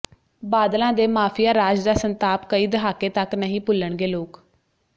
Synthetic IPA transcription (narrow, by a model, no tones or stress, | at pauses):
baːd̪lãːd̪eːmaːpʰijaːɾaːd͡ʒd̪aːsənt̪aːpkəiːd̪əɦaːkeːt̪əknəɦĩːpʊlːəɳɡeːloːk